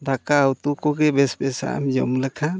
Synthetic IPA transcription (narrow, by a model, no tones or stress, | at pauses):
dakaːwt̪ukɔɡɛbɛsbɛsa̰ʔa̰md͡ʒɔmlɛkʰa